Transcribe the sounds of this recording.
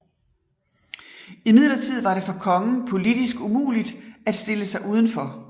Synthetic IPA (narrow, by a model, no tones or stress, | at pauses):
imið̞̰ˠlɐt͡sʰið̞̰ˠʋɑ̈ɾe̝fɒ̽kʰɒ̽ŋən̩pʰo̝lid̥isɡ̥umṵːlid̥æd̥sd̥e̝ləsɑ̈ɪʔuːð̞ˠn̩fɒ̽